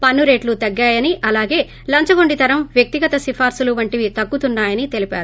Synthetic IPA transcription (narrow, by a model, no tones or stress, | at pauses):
pɐnːuɾe̞ːʈlut̪ɐɡːaːjɐniʔɐlaːɡe̞ː | lɐɲt͡ʃɐɡoɳɖit̪ɐɾɐmʋjɐk̚t̪iɡɐt̪ɐsifʰaːɾsuluʋɐɳʈiʋit̪ɐkːut̪unːaːjɐnit̪e̞lipa̰ːɾu